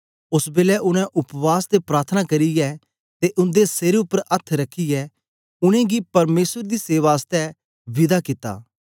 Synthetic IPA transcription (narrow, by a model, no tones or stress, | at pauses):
ʊsbeːlɛʔʊñɛ̃ʔʊpʋaːst̪epɾaːt̪ʰənakɐɾijɛː | t̪eʔʊ̃nd̪eseːɾeʊpːəɾɐt̪ʰːɾɐkʰːiɛ | ʊñẽɡipɐɾmeːsəɾd̪iseːʋaːst̪ɛ | ʋɪd̪akɪt̪a̰ː